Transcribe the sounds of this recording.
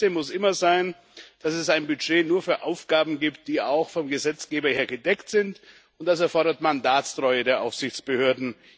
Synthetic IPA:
emʊsʔɪmɐzaɪn | d̥asɛsaɪnbyd͡ʒeːnuːɐfyːɐʔaʊfɡ̥aːbm̩ɡiːptd̥iːaʊxfɔmɡəzɛt͡sɡ̥eːbɐheːɐɡədɛktz̥ɪnt | ʊntd̥as̬ɛɐfɔɐɾɐtmandaːtstʁ̥ɔʏədeːɐʔaʊfz̥ɪçt͡sb̥əhøːɐdn̩

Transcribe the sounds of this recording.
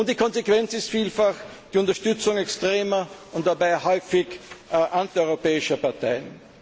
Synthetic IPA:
ʊnt̚d̥iːkʰɔnzekv̥ɛnt͡sɪstfiːlfax | d̥iːʊntɐʃtʏt͡sʊŋɛkstʁeːmɐʊnt̚d̥abaɪhɔʏfɪçʔantiɔʏʁopɛːɪʃɐpaɐtaɪən

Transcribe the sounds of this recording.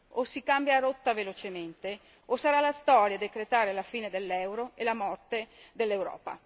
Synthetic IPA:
osːikambjaɾot̪ːavelot͡ʃement̪e | osːaɾalast̪ɔːɾjad̪ekɾet̪aːɾelafiːned̪elːɛwɾoelamɔrt̪ed̪elːewɾɔ̰ːpa̰

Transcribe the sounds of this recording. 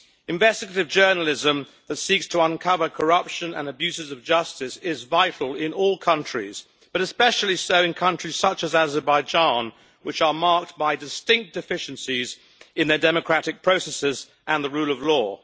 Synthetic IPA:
ɨ̃ɱvɛstɨɡəɾɨvd͡ʒɜ˞nl̩ˠɪzə̃m | ðɨtsikstʰəə̃nkʰʌvə˞kʰə˞ʌpʃɨ̃nə̰̃nəbjʉzɨzʌvd͡ʒʌstɪsɪzvaɪtʰˡl̩ˠɪ̃nɔlˠkʰʌ̃nt͡ʃɹ̥ḭz̥ | b̥ʌɾɨspɛʃl̩ˠisoʊɨ̃nkʰʌ̃nt͡ʃɹ̥iz̥sʌt͡ʃɨzæzə˞baɪd͡ʒɑ̃n | wɨt͡ʃə˞mɑɹk̚t̚b̥aɪdɨstɪ̃ŋk̚d̥ɨfɪʃn̩siz | ɨ̃nðə˞dɛmɨkʰɹ̥æɾɨk̚pʰɹ̥oʊsɛsɪz | ʔə̃nðəɹʉlˠʌvlɔ

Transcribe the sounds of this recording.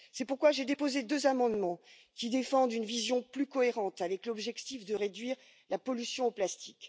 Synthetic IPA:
sɛpuʁkwaʒed̪epozed̪øzamɑ̃d̪mɑ̃ | kʲid̪efɑ̃d̪ynvizjɔ̃plykɔeʁɑ̃t̪avɛklɔbʒɛkt̪ifd̪əʁed̪ɥiʁ | lapɔlysjɔ̃oplast̪i̥kʲ

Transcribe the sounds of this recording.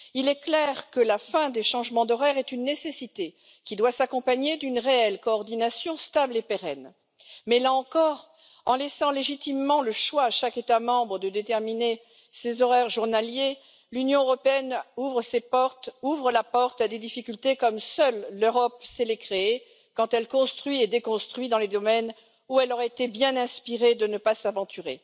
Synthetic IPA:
ilɛklɛʁkəlafɛ̃d̪eʃɑ̃ʒmɑ̃d̪ɔʁɛʁɛt̪ynːesesit̪e | kʲid̪wasakɔ̃paɲed̪ynʁeɛlkɔːʁd̪inasjɔ̃st̪ablepeʁɛn | mɛlaɑ̃kɔʁ | ɑ̰̃lɛsɑ̃leʒit̪imːɑ̃ləʃwaːʃaket̪amɑ̃bʁəd̪əd̪et̪ɛʁmine | sezɔʁɛʁʒuʁnalje | lynjɔ̃øʁɔpeɛnuvʁəsepɔʁt̪uvʁəlapɔʁt̪ad̪ed̪ifikʲylt̪ekɔmsœlːøʁɔpselekχeː | kɑ̃t̪ɛlkɔ̃st̪χɥied̪ekɔ̃st̪χɥid̪ɑ̃led̪ɔmɛn | uɛlɔʁɛet̪ebjɛ̃nɛ̃spiʁed̪ənəpasavɑ̃t̪ʰyʁe

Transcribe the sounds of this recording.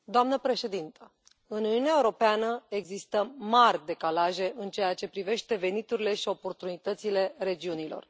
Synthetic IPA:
d̪oamnəpɾe̞ʃe̞d̪int̪ə | ɨnuniuneaeuɾo̞peanəe̞ɡzist̪əmarʲd̪e̞kalaʒe̞ʔɨnt͡ʃe̞jat͡ʃe̞pɾive̞ʃt̪e̞ve̞nit̪uɾile̞ʃio̞po̞rt̪unit̪ət̪sile̞ɾe̞d͡ʒiunilo̞̰r

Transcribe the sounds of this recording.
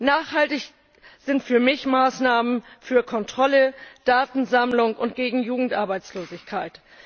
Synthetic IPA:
naːχhaltɪç | z̥ɪntfyːɐmɪçmaːsnaːmənfyːɐkʰɔntʁ̥ɔləd̥aːtn̩zamlʊŋʊntɡ̥eːɡŋ̩juːɡŋ̩tʔaɐbaɪt͡sloːzɪçkʰaɪt

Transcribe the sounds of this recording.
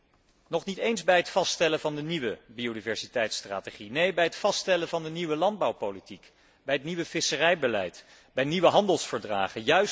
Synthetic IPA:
nɔχnitejnzbɛjətfɑstɛləvɑndəniʋəbiodivɛɹsitɛjtstra̰ːteχinejbɛjɦətfɑstɛləvɑndəniʋəlɑnd̚bɑwpolitik | bɛjɦətniʋəv̥ɪsərɛjbəlɛjt | bɛjniʋəɦɑndəlˠsfəɹdra̰ːχənjœɥs

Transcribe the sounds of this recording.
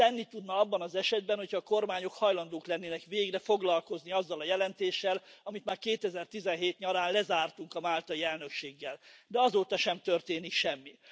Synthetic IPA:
t̪ɛnːit̪ud̪nɒɒbːɒnɒzɛʃɛd̪̚bɛnho̞cʰhɒːko̞rmaːɲo̞khɒjlɒnd̪oːklɛnːeːnɛkʋeːiɡrɛfo̞ɡlɒlko̞zniɒzːɒlɒjɛlɛnt̪eːʃːɛlɒmit̪maːrkeːt̪ɛzɛrt̪izɛnɦeːt̪ɲɒɾaːnlɛzaːrt̪uŋkɒmaːlt̪ɒiɛlnø̞kʃeːɡːɛld̪ɛɒzoːt̪ɒʃɛmt̪ørt̪eːnikʃɛmːi

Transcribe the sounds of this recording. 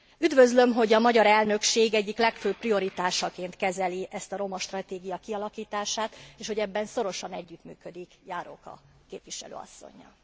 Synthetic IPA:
yd̪vø̞zlø̞mɦo̞ɟɒmɒɟɒɾɛlnø̞kʃeːɡɛɟːiklɛkføːpprio̞ɾit̪aːʃɒkeːnt̪kɛzɛliɛst̪ɒɾo̞mɒʃt̪rɒt̪eːɡijɒkiɒlɒkiːt̪aːʃaːt̪eːʃho̞ɟɛbːɛnso̞ɾo̞ʃɒnɛɟːyt̪my̰ːkø̞d̪ikjaːɾo̰ːkɒ̰ | keːpvʋiʃɛ̰lø̰ːɒ̰sːo̞̰ɲːɒ̰

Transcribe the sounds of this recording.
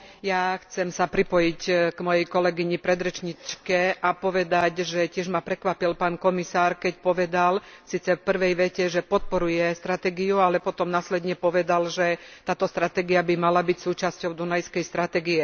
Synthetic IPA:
jaxt͡sɛmsapɾipɔjicɡmɔjɛjkɔlɛɡiɲipɾɛd̪ɾɛt͡ʃɲit͡ʃkɛʔapɔʋɛd̪aɟʒɛcɪɛʒmapɾɛkʋapilpaːnkɔmisaːɾkɛcpɔʋɛd̪alsiːt͡sɛfpr̩ʋɛjʋɛcɛʒɛpɔt̪̚pɔɾujɛst̪ɾat̪ɛɡiualɛpɔt̪ɔmnaːslɛd̪ɲɛpɔʋɛd̪alʒɛt̪aːt̪ɔst̪ɾat̪ɛɡiabimalabicsuːt͡ʃascɔʊd̪unajskɛjst̪ɾat̪ɛɡiɛ

